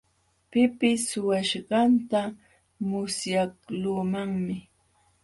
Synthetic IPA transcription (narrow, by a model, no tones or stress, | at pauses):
pɪpɪsʊwaʃɢɑnt̪a | mʊsjakluːmaŋmɪ